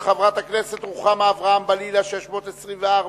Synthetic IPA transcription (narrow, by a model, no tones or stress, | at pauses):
χavʁat̪akne̞set̪ʁuχameavʁaambalilaʃeʃmo̞t̪esʁimveaʁ